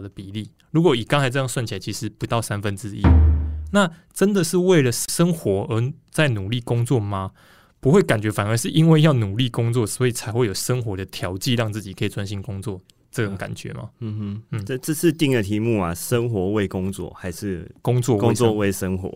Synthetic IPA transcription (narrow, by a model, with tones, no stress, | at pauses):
d̪ə˦˩pi˨˩li˥˩ | ɻu˧˥kwɔ˧˩i˨˩kaɑ˥ŋt͡sa˧˥ɪʈ͡ʂɤ˥˧jŋswa˥˩nt͡ɕi˨la˧˥t͡ɕʰi˧˥ʂɻ̩˧˦pu˨˧˥t̪ɑ˥˩ʊsa˥˦nfə˦nt͡sɻ̩˦i˦na˥˨ | ʈ͡ʂə˦nd̪ə˨ʂɻ̩˥˧we˥˩ɪlə˩ʂə˦˥nxwɔ˧˥ə˧˥ | t͡sa˥˩ɪnu˨˩li˥˩kʊ˥ŋt͡swɔ˥˩ma˨ | pu˧˥xwe˥˩ɪka˨˩nt͡ɕɥɛ˧˥fa˨˩nə˞˧˦ʂɻ̩˥˩ʔi˦nwe˥˧ɪjɑ˥˩ʊnu˨˩li˥˩kʊ˥ŋt͡swɔ˥˨˩swɔ˧˥i˨˩t͡sʰa˨˧˥ɪxwe˥˩ɪjo˨˩ʊʂə˦ŋxwɔ˧˥d̪ə˨t̪ʰjɑ˧˥ʊt͡ɕi˥˨˧ɻɑ˥˧ŋt͡sɹ̩˥˩t͡ɕi˨˩kʰə˧˥i˨˩t͡swa˦nɕi˧˥˩nkʊ˥˦ŋt͡swɔ˥˨ | ʈ͡ʂə˥˩o˨˩ŋka̰˨˩nt͡ɕɥɛ̰˧˦ma̰˦˥˧n̩˥˩ə˥˧t͡sə˥˧s̩ʰ˥˧t̪i˥˩ŋd̪ə˨t̪ʰi˧˥mu˥˩a̰˨˩ʂə˦˥ŋxwɔ˧˥˦we˥˩ɪkʊ˦ŋt͡swɔ̰˥˨ha˧˥ɪʂɻ̩˥˩kʊ˥ŋt͡swɔ˥˨wwe˧˥˧ɪʂə˦˥ŋxwɔ̰˨˦